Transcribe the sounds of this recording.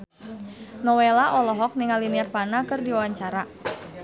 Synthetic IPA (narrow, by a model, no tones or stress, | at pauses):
nɔwɛlaʔɔlɔɦɔk̚niŋaliniarpanakɨrdiwawaɲt͡ʃaɾa